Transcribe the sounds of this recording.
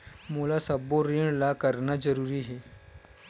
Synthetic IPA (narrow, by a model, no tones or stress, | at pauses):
mulasəboɾiɳlakəɾnad͡zəɾuːɾiɦe